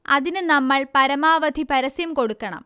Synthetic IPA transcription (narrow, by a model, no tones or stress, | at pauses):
ɐ̰ðinɨnɐmːɐɭpɐɾɐmaːʋɐd̪ʱipɐɾɐsjɐmko̞ɽukːɐɳɐ̰m